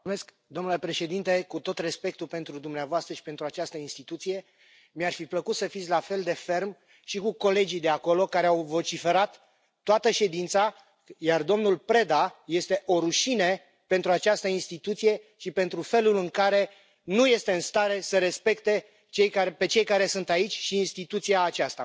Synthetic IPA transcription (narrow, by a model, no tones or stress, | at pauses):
mesk | d̪omnule̞pɾe̞ʃe̞d̪int̪e̞kut̪o̞t̪re̞spe̞k̚t̪upe̞nt̪ɾud̪umneavoast̪ɾəʃi̥pe̞nt̪ɾuat͡ʃast̪əinst̪it̪ut̪sije̞ | miarfipləkut̪səfit̪sʲlafe̞ld̪e̞fe̞rm | ʃikuko̞le̞d͡ʒijd̪e̞ako̞lo̞kaɾeawvo̞t͡ʃife̞ɾat̪ː | oat̪əʃe̞d̪int̪sa | jard̪o̞mnulpɾe̞d̪aje̞st̪e̞ʔo̞ɾuʃine | pe̞nt̪ɾuat͡ʃast̪əinst̪it̪ut̪sije̞ | ʃipe̞nt̪ɾufe̞lulɨŋkaɾe̞ | nuje̞st̪e̞ɨnst̪aɾe̞səɾe̞spe̞kt̪e̞ | t͡ʃe̞jkaepe̞t͡ʃe̞jkaɾe̞sɨnt̪ait͡ʃʲʃiːnst̪it̪ut̪siaːt͡ʃast̪a̰